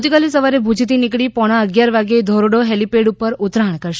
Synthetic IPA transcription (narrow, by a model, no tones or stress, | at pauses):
t̪ikalisəʋaɾebʱud͡ʒt̪inikɽipɔɽ̃aəɡjaɾʋaɡed̪ʱɔɾoɽoɦelipeɖupəɾut̪ɾaɳkəɾʃ